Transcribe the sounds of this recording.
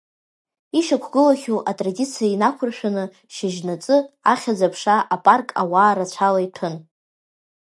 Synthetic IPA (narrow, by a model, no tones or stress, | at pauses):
iʃakʷʰɡɨlaχʲuʔatʼradit͡sʰijainakʷʰʊrʃᶣanɨ | ʃɪʒnat͡sʼɨaχʲad͡zapʰʂaʔapʼarkʼawaːɾat͡ɕʷʰalaitʰɨn